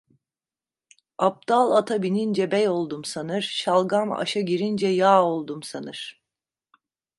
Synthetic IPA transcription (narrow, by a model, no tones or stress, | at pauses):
ap̚d̪̥alˠat̪ʰabinind͡ʒɛbɛjo̞lˠd̪umsanɯɾ̥ʃalˠɡama̰ʃaɟiɾind͡ʒɛjaːolˠd̪umsanɯɾ̥